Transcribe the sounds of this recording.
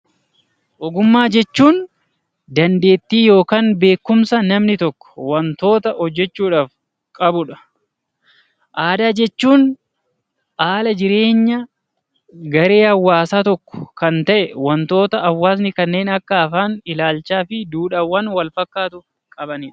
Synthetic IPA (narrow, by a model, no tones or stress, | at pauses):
ʔɔɡʊmːaːd͡ʒɛt͡ʃːuːn | d̪ɐnd̪e̞ːt̪ːiːjo̞ːkaːnbe̞ːkːʊmsɐnɐmnɪt̪ɔkːɔ̥wɐnt̪o̞ːt̪ɐhɔd͡ʒːɛt͡ʃːuːᶑaːf | kʼɐbʊᶑɐ̥ | ʔaːd̪aːd͡ʒɛt͡ʃːuːn | ʔaːlɐd͡ʒɪɾe̞ːɲːɐ | ɡɐɾe̞ːhɐwːaːsaːt̪ɔkːɔ̥kɐnt̪ɐʔɛwɐnt̪o̞ːt̪ɐːwːaːs̬nɪkɐnːe̞ːnɐkːɐːfaːnɪlaːlt͡ʃaːfɪd̪uːᶑɐwɐnwɐlfɐkːaːt̪ʊ | kʼɐbɐniᶑɐ̥